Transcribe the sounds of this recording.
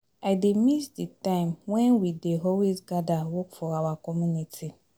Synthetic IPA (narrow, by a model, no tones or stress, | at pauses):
ademisditãɪ̃mwɛ̃nwideɦɔwisɡadawokfɔawakɔmjunitʰi